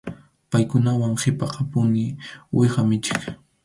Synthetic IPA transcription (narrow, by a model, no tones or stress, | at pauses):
pajkʊnawaŋχɪpɑqʰɑpʊnɪwʔɪχamɪt͡ʃɪ̥k